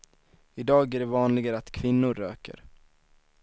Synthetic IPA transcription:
ɪd̪ɑːɡæɖɛvɑːnlɪɡaɾəat̪kʰvɪnːʊɾːø̰ːkə̰ɾ

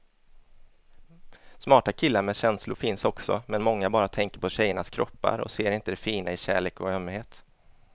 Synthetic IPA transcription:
smɑːʈakʰɪlːaɾmɛɕɛnslʊɾfɪnsɔksɔ̰mɛnmɔŋːabɑːɾat̪ʰɛŋkəɾpʰɔɕɛjːəɳaskʰɾɔpːa̰ɾɔ̰seːɾɪnt̪əd̪ɛfiːnaɪɕæ̰ːɭeːkɔœmːheːt̪

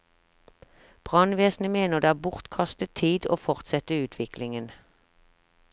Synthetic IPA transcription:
b̥ʁɑnʋeːsn̩əmeːnəʁd̪eːæːbʊʁt̪kʰɑst̪ət̪ʰiːd̪o̰ːfɔʁt̪sɛt̪əʉːt̪ʰʋɪklɪŋən

